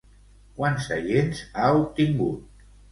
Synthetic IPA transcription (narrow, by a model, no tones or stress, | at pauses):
kwansə̰jenzaup̚t̪iŋɡṵt̪̚